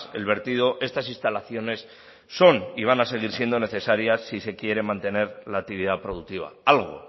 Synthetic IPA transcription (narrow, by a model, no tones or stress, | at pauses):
se̞̰lβe̞ɾt̪iðo̞ʔe̞st̪asinst̪alaθjo̞ne̞sː | o̞niβ̞anase̞ɣ̞iɾsje̞nd̪o̞ne̞θe̞saɾjasːise̞kje̞ɾe̞mãnt̪e̞ne̞ɾlaːk̚t̪iβiðapɾo̞ðuk̚t̪iβ̞a̰alɣ̞o̞̰